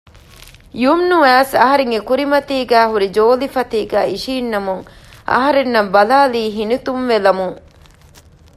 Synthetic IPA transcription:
jumnuæːsɐɦɐɾeŋɡekuɾimɐt̪iːɡæːɦuɾid͡ʒoːlifɐt̪iːɡæːiʃiːnːɐmuŋʔɐ̰ɦɐɾenːɐmbɐlaːliːɦinit̪umʋelɐmuŋ

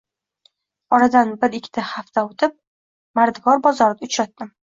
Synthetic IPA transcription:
ɒɾad̪anbɪɾɪkʲʰːɪ̥t̪ʰahaft̪ʰaot̪ʰɪp̚ | maɾd̪ɪɡɒɾbɒzɒɾd̪aʊt͡ʃɾat̪ːɪm

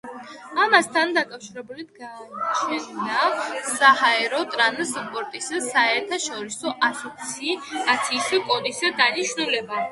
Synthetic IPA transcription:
amast̪ʰand̪akʼafʃiɾɛbulid̪̚ɡaːt͡ʃʰɛnd̪asahaɛɾɔt̪ʼɾanspʼɔɾt̪ʼisasaɛɾt̪ʰaʃɔɾisɔʔasɔt̪sʰiat̪sʰiːsikʼɔd̪isad̪aniʃnulɛba

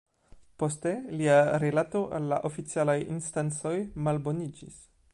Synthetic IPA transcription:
po̞steliaɾelato̞ʔalːa̰ʔofit͡sialajḭnstant͡so̞jmalbo̞nid͡ʒḭs

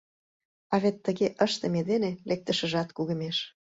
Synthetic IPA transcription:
ɑvet̪ːə̆ɣeʔəʃt̪ə̆med̪enelek̚t̪ə̆ʃə̆ʒɑt̪kuɣə̆meʃ

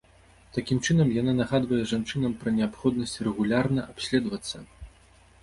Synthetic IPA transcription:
t̪akʲimt͡ʂɨnɐmjananaɣad̪vɐjɛʐant͡ʂɨnɐmpɾɐnʲɛapxɔd̪nɐsʲt͡sʲrɛɣulʲarnɐʔapsʲlʲɛd̪vɐt̪sːɐ

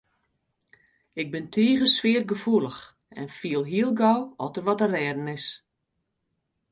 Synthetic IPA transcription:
ɪɡ̚bɪntʰiːɣəsʋɪər̚ɡəfulˠəx | ɛ̰nfiəlˠɦiəlˠɡɔwɔtərʋɔtərrɛːdən̩ɪs

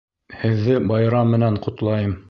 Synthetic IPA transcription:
hɘ̆ðːɘbɑjɾɑmːɘ̆næɴqŏt̪lˠɑjɤm

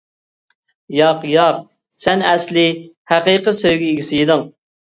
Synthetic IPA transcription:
jɑqjɑq̚ | sɛnɛslɪhæqiqəsøjɡʲiiɡʲisɪjid̪ɨŋ

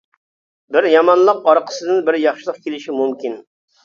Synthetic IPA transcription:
bɪɾjɑmɑnlˠəqɑɾqʰə̥sɨd̪ɪnbɪɾjɑχʃɪlˠəq̚kʲʰelɪʃimumkʲin

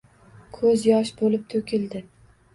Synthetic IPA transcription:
kʰɵzjɒʃbolɪp̚t̪ʰɵkʲʰɪld̪ɪ

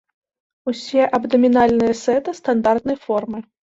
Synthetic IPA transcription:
usʲɛʔɐbd̪ɐmʲinalʲnɨjɐsɛt̪ɨst̪and̪art̪̚nɐjfɔrmɨ

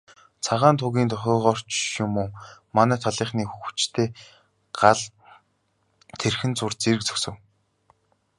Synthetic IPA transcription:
t͡sʰaʁaːnt̪ʰʊɣʲiːnt̪ʰɔxʲɔːʁɔːr̥t͡ɕʊmoːmanæːt̪ʰɔɮiːχniːxuɣɵ̆t͡ɕt̪ʰeː | ɢ̥aɮ | t̪ʰerxɘ̆nt͡sʊrt͡seɾɘ̆k̚t͡sɵ̥sɘ̆w

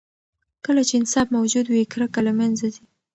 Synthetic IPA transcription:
kəlat͡ʃeɪnsɑbmawd͡ʒud̪wikɾakalamanzad̪i

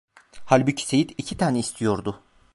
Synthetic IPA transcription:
halʲbycʰi̥se̞jit̪icʰit̪ʰaːnɛist̪ʰijo̞ɾd̪ʊ

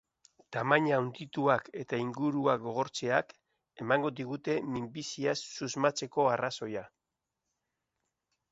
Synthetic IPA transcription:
t̪amaɲaːwnd̪it̪uake̞t̪aiŋɡuɾuaɡo̞ɣ̞o̞ɾt͡se̞ak | e̞maŋɡo̞d̪iɣ̞ut̪e̞mimbisiasːuzmat͡se̞ko̞araso̞ja

